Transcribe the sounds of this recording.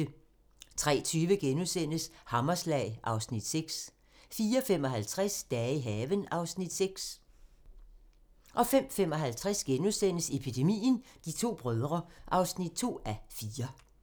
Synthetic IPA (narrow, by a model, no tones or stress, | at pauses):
t͡sʰʁɛ̰ːt͡sʰyːʋəɡ̥enusen̰əshɑ̈mɐslɛɪʔɑ̈ʊsnid̥seɡ̥s | fiːɐfem̰ɒɦælt͡sʰʁasd̥ɛːiɦɛːʋənɑ̈ʊsnid̥seɡ̥s | ʔɒ̽fem̰fem̰ɒ̽ɦælt͡sʰʁasɡ̥enusen̰əse̝pʰid̥e̝mḭːnd̥it͡sʰo̝̰ːb̥ʁœð̞ˠʁɐʔɑ̈ʊsnid̥̚t͡sʰo̝̰ːæfiːɐ